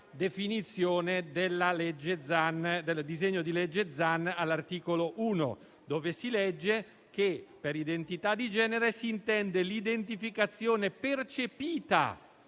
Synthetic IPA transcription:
d̪efinit̪sːjoːned̪elːalɛd͡ʒːed̪zand̪eld̪izeɲːod̪ilɛd͡ʒːed̪zanːalːart̪iːkoloʔuːno̰ | d̪oːvesilɛd͡ʒːe | k̟epeɾid̪ent̪it̪ad̪id͡ʒɛːneɾesiːnt̪ɛnd̪elid̪ent̪ifikat̪sːjoːnepert͡ʃepiːt̪a̰

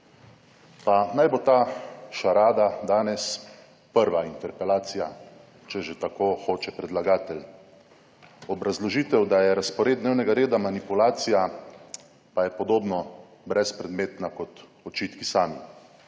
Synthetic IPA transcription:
panajbot̪aːʃaɾaːd̪ad̪aːnɛs | pəɾʋaint̪ɛɾpɛlaːt̪sija̰ | t͡ʃɛʒet̪akoːxoːt͡ʃɛpɾɛd̪laɡaːt̪ɛl | ɔbɾazlɔʒiːt̪ɛwd̪ajɛɾaspɔɾeːd̪d̪neːwnɛɡaɾeːd̪amanipulaːt̪sija | pajɛpɔd̪oːbnɔ | bɾɛspɾɛd̪meːt̪nakɔt̪ɔt͡ʃiːt̪kisaːmi

